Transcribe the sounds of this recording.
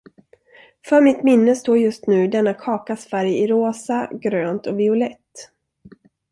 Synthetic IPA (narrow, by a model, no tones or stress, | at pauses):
fœɾmɪt̪mɪnːəst̪oːɾjɵst̪nʉ̟ːd̪ɛnːakʰɑːkasfæɾjɪɾoːsaɡɾøːnt̪ɔvɪʊlɛt̪ː